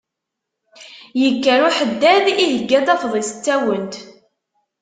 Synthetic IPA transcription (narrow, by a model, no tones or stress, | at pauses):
jəkːæɾuħəd̪ːæðiɦəɡːæt̪æfðˤisə̥t͡sːæwənt̪